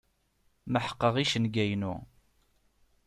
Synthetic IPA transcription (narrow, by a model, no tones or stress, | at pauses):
məħə̥qːəʁiʃənɡæjnṵ